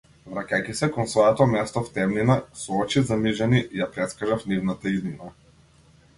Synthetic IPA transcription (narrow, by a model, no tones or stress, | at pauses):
vɾacajkisɛkɔnsvɔjɛt̪ɔmɛst̪ɔft̪ɛmninasɔɔt͡ʃizamiʒaniʔijapɾɛt̪skaʒafnivnat̪aizmina